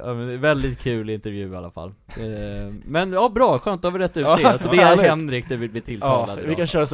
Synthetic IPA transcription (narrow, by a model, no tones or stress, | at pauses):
amɛnd̪ɛvɛld̪ɪt̪̚kʰʉ̟ːlɪnt̪əɾvjʉ̟ːa̰la̰fa̰lː | mɛnjɑːbɾɑːɧøːnt̪d̪havɪɾɛt̪ːʉːsɔd̪ɛahɛnːɾɪk̚t̪ɛvɪlbliːt̪ʰɪlt̪ʰɑːa̰d̪vɪkanɕœːɾas